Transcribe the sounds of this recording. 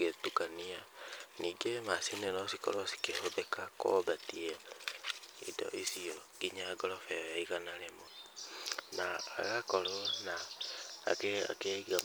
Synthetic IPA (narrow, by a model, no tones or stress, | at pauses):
etukanianiːɡemasinenɔsiko̰ɾosi̥kehobekako̰batie | ḭdɔ̰ʔisiɔɡ̥iɲaɡɔɾɔfɛjaiɣanaɾemo | na̰ːɣakɔɾona̰ː | kea̰keɣa